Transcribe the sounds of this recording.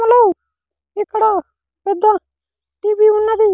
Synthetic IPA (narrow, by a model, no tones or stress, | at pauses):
lo | ɪkːɽa | ped̪ã | ʈiːbiʊnːãd̪i